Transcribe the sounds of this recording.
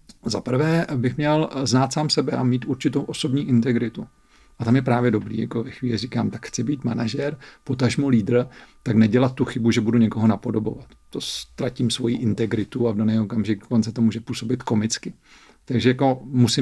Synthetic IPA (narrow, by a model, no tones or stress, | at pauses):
zapr̩vɛːbɪxmɲɛlznaːt̪saːmsɛbɛʔamiːt̪ʔuɾt͡ʃɪt̪owʔo̞so̞bɲiːʔɪnt̪ɛɡɾɪt̪u | ʔat̪amjɛpɾaːvjɛdo̞bɾḭːjakovɛxvʋiːlɪrikaːmt̪akxt͡sɪbiːt̪manaʒɛɾpo̞t̪aʒmuliːd̪r̩t̪aknɛɟɛlat̪̚t̪ːuxɪbuʒɛbuduɲɛko̞ɦo̞napo̞dobo̞vat̪ːost̪ɾaciːmsvo̞jiʔɪnt̪ɛɡɾɪt̪uavdonɛjokamʒɪɡ̚doko̞nt͡sɛt̪omuːʒɛpuːsobɪt̪ko̞mɪt͡skɪ | t̪aɡʒɛjako̞musɪ